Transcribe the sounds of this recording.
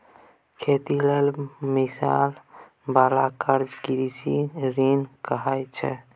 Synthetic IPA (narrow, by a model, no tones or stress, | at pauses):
kʰet̪ilelmisa̰l | balakəɾd͡ʒɡiɾisiɾinkəɦat͡ʃʰɛ̰